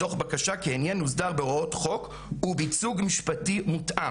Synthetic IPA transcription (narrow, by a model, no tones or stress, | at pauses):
to̞χbakaʃakeenjenuzdaʁbeootχo̞k | ubit͡suɡmiʃpatimutʔa